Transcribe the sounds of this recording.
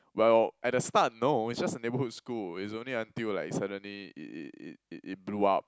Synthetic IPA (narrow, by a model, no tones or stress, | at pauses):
wɛlʔɛt̚dəstat̚noitsd͡ʒasənebəhud̚skulits̬õnliãntillaɪksadə̃nliḭʔḭtḭtḭtit̚bluap̚